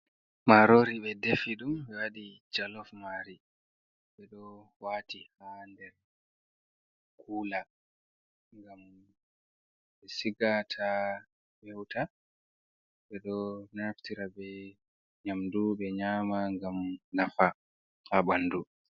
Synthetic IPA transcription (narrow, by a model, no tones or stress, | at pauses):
maɾoɾiɓɛdefiɗumɓɛwaɗid͡ʒalɔfmaɾi | ɓɛɗɔwaːtihandɛɾ | kʰuːla | ŋɡam | ɓɛsiɡatʰa | wɛwtʰa | ɓɛɗɔnaftiɾabɛ | ɲamduɓɛɲamaŋɡamnafa | haɓanːdu